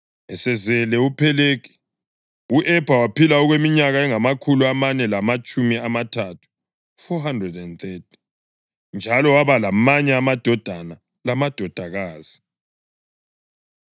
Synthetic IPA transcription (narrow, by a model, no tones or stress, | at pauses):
ɛsɛzɛlɛupʰɛlek̬ʰi̥ | uʔɛb̥ʱawapʰilaɔɣwemiɲaɣaɛŋamakʰuluamanɛlamat͡ʃʼumiamatʰatʰu̥ | fɔɦandrɛdɛndθetʰi̥ | nd͡ʒʱalɔwaβalamaɲɛamad̥ʱɔd̥ʱana | lamad̥ʱɔd̥ʱaɣaːz̥i̥